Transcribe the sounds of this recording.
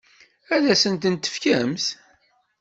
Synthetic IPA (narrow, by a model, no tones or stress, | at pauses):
æðæsənt̪ənt̪ːə̥fkæmθ